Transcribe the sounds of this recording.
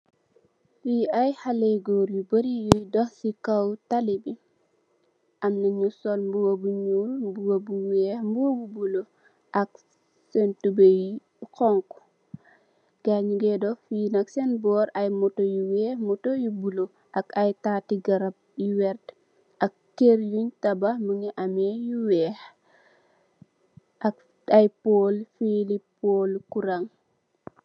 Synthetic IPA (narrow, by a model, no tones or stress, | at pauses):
fiajhaleɡɔɾjubəɾijujdɔhsikawtalibi | ʔɐmnɐɲusɔlmbuwobuɲuːlmbuwobuwɛːhmbuwbubulo | ʔɐk | sɛntubej | kɔŋk | ɡ̥aɲuɡɛdɔfinɐksɛnbɔːɾɐjmɔtojuwɛːhmɔtojubulo | ʔɐkɐjtaːtiɡɐɾɐb̚juwɛrt | ʔɐkːeɾjuɲtɐbɐməŋɛʔɐmɛjuwɛːh | ɐk | ɐjpolfilipːolkuɾaŋ